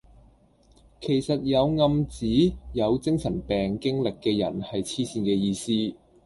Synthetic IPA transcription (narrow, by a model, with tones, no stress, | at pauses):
kʰe˨˩jsɐ˨t̚jɐ˨˧wŋɐ˧mt͡siː˨˥jɐ˨˧wt͡sɪ˥ŋsɐ˨˩npɛː˨˩ŋkɪ˥ŋlɪ˨kːɛː˧jɐ̰˨˩nhɐ˨jt͡sʰiː˥siː˧nkɛː˧jiː˧siː˥